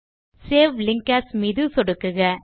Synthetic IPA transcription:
seːʋlɪŋkɐsmiːðɯsɔɽɯkːɯɣɐ

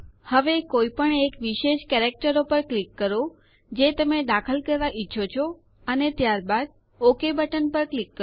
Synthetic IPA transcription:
həʋekoipəɳekʋiʃeʃkɛɾek̚ʈəɾopəɾklikːəɾo | d͡ʒet̪əmed̪akʰəlkəɾʋaʔiːʃʰot͡ʃʰo | ənet̪jaɾbad̪̚ | okebəʈənpəɾklikːə

